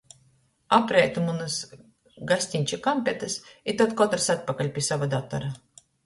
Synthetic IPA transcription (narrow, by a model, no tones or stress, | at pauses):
apɾɛːt̪umunɨs | ɡasʲt̪ʲinʲt͡ʃʲikamʲpʲɛt̪ɨsit̪at̪kɔt̪ɾsat̪̚pakalʲpʲisavad̪at̪a̰ɾa